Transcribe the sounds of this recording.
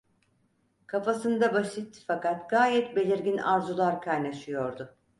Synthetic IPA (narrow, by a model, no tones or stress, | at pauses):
kʰafasɯnd̪abasit̪ːfakat̪ɡaːjɛt̪be̞lʲiɾɟinaɾzulˠaɾkʰajnaʃɯjo̞ɾd̪ʊ